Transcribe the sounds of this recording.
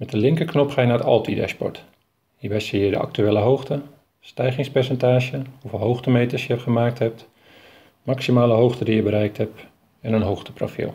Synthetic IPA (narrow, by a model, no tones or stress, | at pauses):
mɛtdəlɪŋkəknɔpχaːjənaːətɑ̰lˠtidɛ̰spɔ̰ɹt | hiəɹbɛjsijədə̰ʔɑ̰k̚tyeːləɦowχtə | stɛjχɪŋspɛɹsɛntaːʒəhuvɪːlˠɦowχtəmejtəsjəχəmaːk̚tɦɛp̚t | maksimaːləɦowχtədijəbəɾɛjk̚tɦɛp̚ | ɛnənɦowxtə̥pro̰fḭlˠ